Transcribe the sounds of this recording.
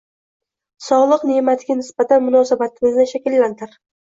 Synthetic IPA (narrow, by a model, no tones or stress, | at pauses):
sɒʁlˠɨqne̞mat̪ɡʲanɪsbat̪ʰanmʊnɒsabat̪ʰɪmɪznɪʃakʲɪlːant̪ʰɪɾ